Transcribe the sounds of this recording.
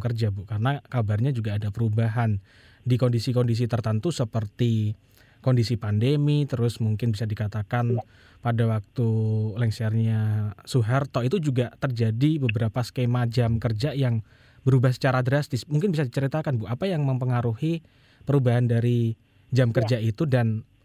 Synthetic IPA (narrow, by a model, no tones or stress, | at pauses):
kərd͡ʒabukarənakabarɲad͡ʒuɡaːdapəɾubaɦan | dikɔndisikɔndis̬it̪ərt̪ənt̪usəpərt̪i | kɔndisipandemit̪əɾʊsmuŋkɪnbisadikat̪akan | padawak̚t̪ulɛŋsɛrɲasuɦɛrt̪ɔit̪ud͡ʒuɡat̪ərd͡ʒadibəbəɾapaskemad͡ʒamkərd͡ʒajaŋ | bəɾubahsə̥t͡ʃaɾadɾast̪ɪsmuŋkɪnbisadit͡ʃəɾit̪akanbuapajaŋməmpəŋaɾuhi | pəɾubaɦandaɾi | d͡ʒamkərd͡ʒait̪udan